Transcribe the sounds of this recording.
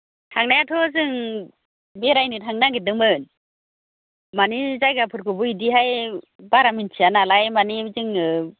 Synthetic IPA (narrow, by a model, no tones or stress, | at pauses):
tʰaŋnajatʰɔzɯŋ | beɾajnitʰaŋnaɡedɯŋmɯn | manizajɡapʰɯɾkʰɯbɯidiɦaj | baɾamint͡ʃʰianalajmanizɯŋɯ